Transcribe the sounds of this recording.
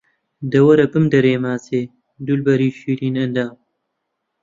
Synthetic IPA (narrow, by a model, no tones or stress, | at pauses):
d̪ɐwɐɾɐpɨmd̪ɐɾeːmaːse | d̪ulbɐɾiːɕiːlinɐnd̪aː